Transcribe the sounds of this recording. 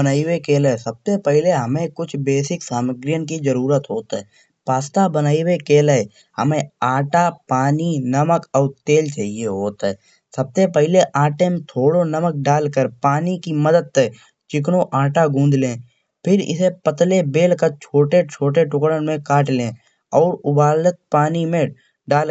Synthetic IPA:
bənaːiwekeːlɦɛsəb̚sepɛɦɪleɦɐmẽkʊt͡ʃʰbeːsɪksaːməɡɾijənkid͡ʒəɾuːɾət̪ɦoːt̪ɦɛ̰ː | paːst̪abənaːiwekeːlɛ | hə̰mẽaːʈapaːninəməkɔːɾt̪eːlt͡ʃaːɦieɦoːt̪ɦɛ̰ː | sɐb̚sepɛɦɪleʔaːʈemẽt̪ʰoːɽonəmək̚ɖaːlkəɾpaːnikiməd̪əd̪̚t̪ɛ | t͡ʃɪk̬ɽoʔaːʈaɡũːnd̪lẽː | pʰɪɾɪ̰sepət̪lebeːlkət͡ʃʰoːʈet͡ʃʰoːʈeʈʊkɽənmẽkaːʈlẽː | ɔːɾʊbaːlət̪̚paːnimẽ | ɖaːl

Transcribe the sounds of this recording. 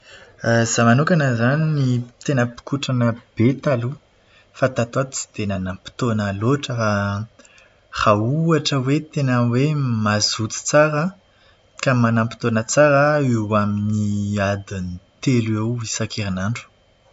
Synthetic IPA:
z̥amanukanəzaninit̪enəpi̥kuʈ͡ʂanəb̥et̪alu | fat̪at̪ad̪t͡si̥t̪enanampi̥t̪onəloʈ͡ʂəfa | rauaʈ͡ʂəwet̪enəwemazut͡s̪i̥t͡saɾə | kamanampi̥t̪onət͡saɾəewaminiad̪init̪elewisakʰeɾinaɳɖ͡ʐu̥

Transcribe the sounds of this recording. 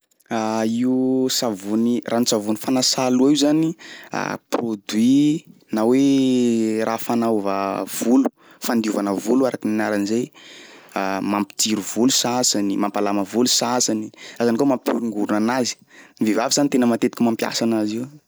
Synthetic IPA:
aiusavunirʔanit͡savunifanasaluaiuzania̰prod̪wi | nawe | rʔafanauvə̰v̥ulu̥ | fand̪iuvanəvuluaɾakininaɾanizej | amampi̥t̪iɾuvulusasanimampalaməvulusasaniazanikamampuɾiŋɡuɾunanazi̥nivevavizanit̪enəmat̪et̪i̥kimampja̰sanaziw

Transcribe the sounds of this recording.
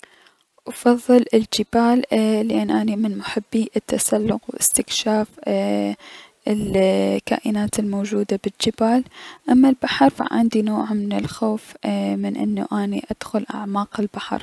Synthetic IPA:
ʔɑfɑðˤːɨlɪld͡ʒɪbaːlːɪʔanːʔaːnimɪnmʊħɪbːiʔɪt̪ːasalːʊqwʔɪ̰st̪ɪkʃaːf | ɪlka̰ːʔɪnaːt̪ɪlmoːd͡ʒuːd̪abɪd͡ʒɪbaːlʔamːalbaħɑɾˤfa̰ʕɪ̰nd̪inoːʕmɪnɪlxoːfmɪnʔɪ̰nːṵʔaːnḭʔad̪̥xʊlʔa̰ʕmaːqɪlbaħɑ̰ɾˤ

